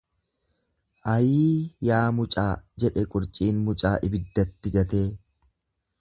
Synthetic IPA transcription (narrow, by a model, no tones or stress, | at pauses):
ʔɐjiːjaːmʊt͡ʃʼaːd͡ʒɛᶑɛkʼʊɾt͡ʃʼiːnmʊt͡ʃʼaːʔɪbɪd̪ːɐt̪ːɪɡɐt̪eː